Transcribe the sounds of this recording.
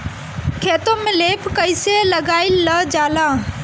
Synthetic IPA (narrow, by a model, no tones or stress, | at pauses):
kʰeːt̪omẽleːpkəɪseləɡaːɪlːəd͡ʒaːlaː